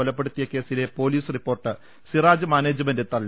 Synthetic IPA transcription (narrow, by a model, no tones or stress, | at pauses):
ɔlɐpːe̞ɽut̪ːijɐke̞ːsile̞po̞ːliːsɨripːo̞ːrʈːɨ | siraːd͡ʑɨmaːne̞ːd͡ʑɐmɐndet̪ɐɭː